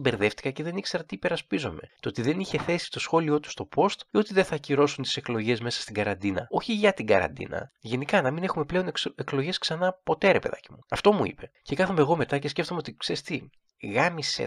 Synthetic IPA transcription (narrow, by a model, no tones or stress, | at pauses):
be̞ɾðe̞ft̪i̥kɐce̞ðe̞nikse̞ɾɐt̪iːpe̞ɾɐspizo̞met̪ot̪iðe̞niçe̞θe̞si̥t̪o̞sxo̞lio̞t̪u̥st̪o̞po̞st̪o̞t̪iðeθɐciɾo̞sunt̪i̥se̞klo̞ʝe̞zme̞sɐ̥st̪iɡɐɾɐnd̪inɐ̰o̞çiʝɐt̪iɡɐ̰ɾɐ̰nd̪ḭnɐ̰ʝe̞nikɐnɐmine̞xume̞ple̞o̞neklo̞ʝe̞sksɐnɐpo̞t̪eɐɾepeðɐ̰cimuɐft̪o̞muḭpe̞ce̞kɐθomeːɣo̞me̞t̪ɐces̬ce̞ft̪o̞meot̪ikseɾist̪i | ɣɐmisḛ